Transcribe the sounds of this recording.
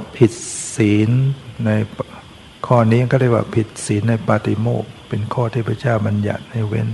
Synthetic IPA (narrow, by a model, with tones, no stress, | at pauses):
pʰi˨˩t̪̚siː˩˦nːa˧j | kʰɔː˥˩niː˦˥˧kɔː˥˩ɾa˥˩kwa̰ː˧˩pʰi˨˩t̪̚siː˩˦nːa˧jpaː˧t̪i˧˩moː˥˩k̚pe˧nkʰɔː˥˩t̪ʰiː˥˩pʰt͡ɕaː˥˩wba˧nja̰˨˩t̪̚na˧˩wḛ˧˥n